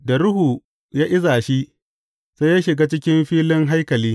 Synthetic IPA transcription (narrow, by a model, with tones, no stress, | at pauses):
da˨ɾʊ˦hu˨ | jaː˦ʔɪ˦zaː˨ʃi˦ | sa˦jaː˦ʃɪ˨ɡaː˦t͡ʃɪ˦kʲɪ˦mɸiː˦lɪ˦ŋɦa˦jkɐ˨liː˦